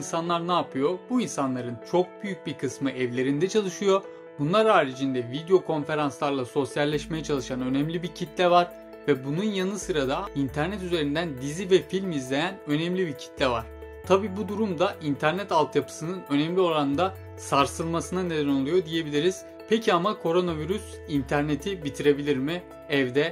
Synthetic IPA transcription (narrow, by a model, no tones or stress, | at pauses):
insanlˠaɾnaːpʰɯjo̞buinsanlˠaɾɯnt͡ʃʰo̞k̚byjyc̚biɾkʰɯsmɯʔɛvlʲe̞ɾind̪ɛt͡ʃʰalˠɯʃɯjo̞ | bunlˠaɾaːɾid͡ʒind̪ɛvid̪ijo̞kʰo̞nfe̞ɾanslˠaɾlˠaso̞sjalʲːɛʃme̞jɛt͡ʃʰalˠɯʃanø̞nɛmlʲibiɾcʰit̪lʲɛvaɾ | vɛbununjanɯsɯɾad̪aint̪ʰæɾnɛt̪yze̞ɾind̪ænd̪izivɛfilʲmizlʲe̞jænø̞nɛmlʲibiɾcʰi̥t̪lʲɛva̰ɾ̥ | t̪ʰabiːbud̪uɾumd̪aʔint̪ʰæɾnɛt̪alˠt̪ʰjapʰɯ̥sɯnɯnø̞nɛmlʲioɾanɯd̪a | saɾsɯlˠmasɯnaned̪æno̞lˠujo̞d̪ije̞bilʲiɾiz̥ | pʰecʰiamakʰo̞ɾo̞naviɾys | int̪ʰæɾne̞t̪ʰibit̪ʰiɾe̞bilʲiɾmi | ɛvd̪ɛ